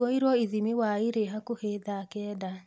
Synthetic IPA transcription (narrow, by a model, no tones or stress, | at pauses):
ɔiɾwɔiðimiwaiɾeɦakoheðakɛːda